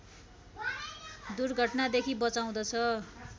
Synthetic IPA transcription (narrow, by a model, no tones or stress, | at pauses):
d̪urɡʱʌʈnad̪ekʰibʌt͡saw̃d̪ʌt͡sʰʌ